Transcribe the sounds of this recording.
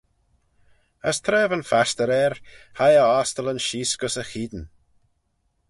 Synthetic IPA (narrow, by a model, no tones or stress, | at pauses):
əst̪ʰɾɛːvənfast̪əɾɛɾhajəaːst̪ələnʃiːsɡ̥əsəxiːd̪n